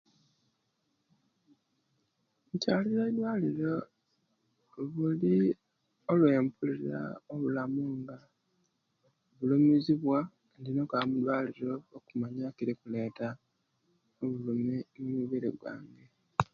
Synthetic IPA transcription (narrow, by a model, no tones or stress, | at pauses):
ucaːlizedwaːliɾo | βuli | o̞lwe̞ːmpuliɾa̰oβulamuŋɡa | βulumiziβwa | ndinokamudwaːliɾo̞okumaɲakiɾikule̞ːta | oβulumenumuβeɾḛɡwa̰ːŋɡe